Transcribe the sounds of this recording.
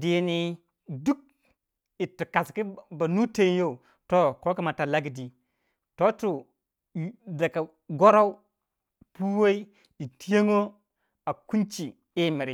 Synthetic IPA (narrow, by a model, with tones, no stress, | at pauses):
di˨ni˨ | du˦k̚ | i˨ti˨ka˨ski˦ba˨nu˦te˦n˦jo˦u˨ | to˦ko˦ki˦ma˨ta˨la˦ɡi˨di˨ | to˦tu˨ | da˨ka˨ | ɡo˦ɾa˦u˦˨ | pu˦we˦i˦ | i˨ti˦je˦ŋo˦ | a˨ku˦nt͡ʃi˨ | i˦mi˨ɾi˨